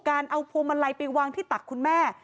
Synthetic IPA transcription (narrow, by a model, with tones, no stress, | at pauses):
kaː˧nʔa˧wpʰu˧ma˧la˧jpa˧jwaː˧ŋt̪ʰiː˥˩t̪a˨˩kʰːu˧nmɛː˥˩